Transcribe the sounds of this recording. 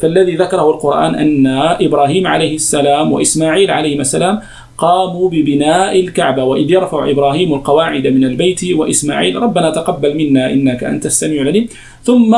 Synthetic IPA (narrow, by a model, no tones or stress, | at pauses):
faʔalːaðiːðakɑɾˤɑhʊlqʊɾˤʔa̰ːnʔa̰nːaʔɪbɾˤaːɦiːmʕa̰lajhɪasːalaːmwa̰ʔɪsmaːʕiːlʕalajhɪmʔasːalaːm | qɑːmuːbɪbɪnaːʔɪlkaʕbawaʔɪðjɑɾˤfaʕʔɪ̰bɾˤaːɦiːmalqɑwaːʕɪd̪amɪnalbajt̪waʔɪsma̰ːʕiːlɾˤɑbːanaːt̪aqɑbːalmɪnːaːʔɪnːakaʔa̰nt̪asːamiːʕlaliːm | θʊmːa